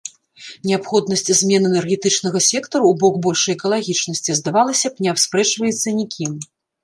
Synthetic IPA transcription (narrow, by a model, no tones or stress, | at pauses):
nʲɛapxɔd̪nɐsʲt͡sʲzʲmʲɛnɛnɛrɣʲɛt̪ɨt͡ʂn̪ɐɣɐsʲɛkt̪ɐɾuːbɔkbɔlʲʂɐjɛkɐlˠaɣʲit͡ʂnɐsʲt͡sʲizd̪avalˠɐsʲɐpnʲɛawspɾɛt͡ʂvɐjɛt̪sːɐnʲikʲʰim